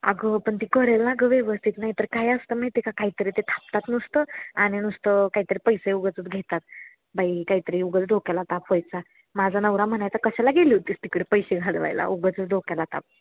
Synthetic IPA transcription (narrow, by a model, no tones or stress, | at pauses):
ə̰ɡəpəɳt̪ikəɾɛlaɡəʋeʋəst̪ʰit̪najit̪əɾkajəst̪əməɦit̪ikakait̪əɾit̪et̪ʰap̚t̪at̪nust̪əaɽ̃inust̪əkait̪əɾipəjseuɡət͡sət͡sɡʱet̪at̪̚ | bʱajkaɦit̪əɾiuɡət͡sd̪ʱokalat̪apəjt͡sa | mad͡zʱanəwɾam̤əɳajt͡sakəɕalaɡʱeliut̪ist̪ikəɽipəjɕeɡʱaɽʋa̰jla̰ʔuɡət͡sət͡sd̪ʱokalat̪a̰p̚